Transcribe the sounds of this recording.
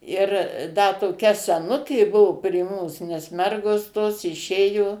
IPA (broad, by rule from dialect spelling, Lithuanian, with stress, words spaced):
ˈɪr ˈdɐ toːˈkʲɛ sʲɛˈnʊkʲeː ˈbʊʋoː pʲrʲiɛ ˈmuːs nʲɛs ˈmʲɛrɡoːs toːs ɪˈʃʲeːjoː